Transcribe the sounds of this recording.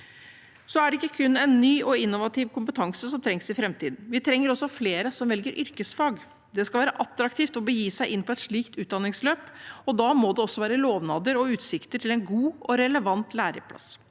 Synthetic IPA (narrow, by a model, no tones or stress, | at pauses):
sɔæɖɛɪkːəkʰʉnːɛnːyːʔɔɪnːʊʋɑt̪ʰɪʋkʰʊmpət̪ʰɑŋsəsɔmt̪ʰɾɛŋsɪfɾɛmt̪ʰiːd̪n̩ʋɪt̪ʰɾɛŋːəɾɔsːɔfleːɾəsɔmʋɛlɡəɾʔʏɾkəsfɑːɡ | d̪ɛskɑlʋæːɾəʔɑt̪ːɾɑkt̪iːft̪ɔbəjiːsæɪʔɪnːpʰɔɛt̪ʂɭiːkt̪ʉːt̪̚d̪ɑnːɪŋsløːpɔd̪ɑmɔd̪ɛɔsːɔʋæːɾəloːʋnɑːd̪əɾɔʉːt̪sɪkt̪əʈʰɪlɛnɡuːʔɔɾɛləʋɑnt̪læːɾə̰pʰlɑ̰s